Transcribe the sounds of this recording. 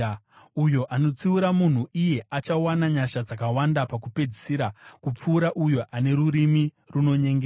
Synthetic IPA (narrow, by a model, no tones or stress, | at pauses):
ujo̞ʔano̞t͡siuɾamun̤uije̞ʔat͡ʃawanaɲaʃad͡zakawandapakupe̞d͡zi̥siɾakup͡fuːɾaʔujo̞ʔane̞ɾuɾimi | runo̞ɲeŋɡe